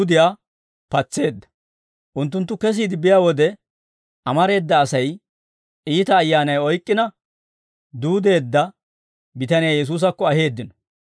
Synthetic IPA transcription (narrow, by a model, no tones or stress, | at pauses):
d̪ɪjaː | pɐt͡sːe̞ːd̪ːɐ̥ | ʔʊnt̪̬ːʊnt̪̬ːʊkɛs̬iːd̪ɪbɪjaːwɔd̪ɛ | ʔɐmɐɾe̞ːd̪ːɐːsɐj | iːt̪ɐːjːaːnɐjɔjkʼːɪnɐ | d̪uːd̪e̞ːd̪ːɐ | bɪt̪ɐnɪjajɛs̬uːs̬ɐkːɔɐɦe̞ːd̪ːɪnɔ̥